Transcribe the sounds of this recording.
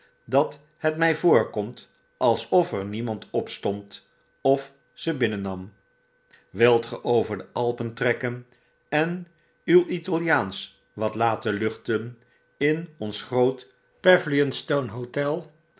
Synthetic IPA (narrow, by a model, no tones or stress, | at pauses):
dɑt | hətmɛjvʊːɹkɔmt | ʔɑlˠsɔfɛɹnimɑntɔpstɔnt | ɔf | səbɪnənɑm | ʋɪlˠtχəʔowvəɹdəʔɑlˠpəntrɛkən | ɛn | ywitɑlˠijaːns | ʋɑtlaːtəlɵχtən | ɪnɔnsχrowt | pɛvliənstownɦotɛlˠ